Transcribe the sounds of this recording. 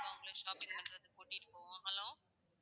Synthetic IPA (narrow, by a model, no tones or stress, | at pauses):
ɐʊŋɡɐɭeːʂaːpɪ̃ŋpɐnɾɐðɯkuːʈːɪɾɯkːoːɦɐlõː